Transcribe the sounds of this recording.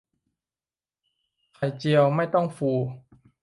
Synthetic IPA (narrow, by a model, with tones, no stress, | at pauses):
kʰa˨˩jt͡ɕi˧əwma˥˩jt̪ɔ˥˩ŋfuː˧